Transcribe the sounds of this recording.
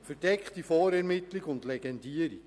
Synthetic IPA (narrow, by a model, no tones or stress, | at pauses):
fəɾd̥ɛkχtifɔːɾɛɾmɪtliɡʊndlɛɡɛndiəɾik